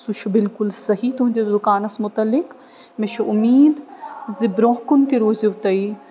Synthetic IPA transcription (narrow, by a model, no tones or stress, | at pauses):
suʃʰubɪlkʊlsɐɦit̪uɦund̪ed̪ʊkaːnɐsmʊt̪ɐlːɪk | meʃʰuʔʊmiːd̪zɪbɾoːkʊnk̪iɾoːziʊt̪ɐi